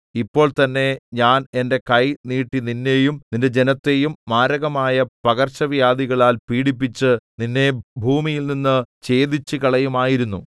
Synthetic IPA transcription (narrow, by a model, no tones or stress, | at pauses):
ipːo̞ːɭt̪ɐnːe̞ɲaːne̞nde̞kɐjniːʈːininːe̞jumninde̞d͡ʑenɐt̪ːe̞jumːaːɾɐɣɐmaːjɐpɐɣɐrɕɐʋjaːd̪iɣɐɭaːlpiːɽip̬ːit͡ɕːɨninːe̞bʱuːmijilninːɨt͡ɕe̞ːd̪it͡ɕːɨkɐɭɐjumaːjiɾunːu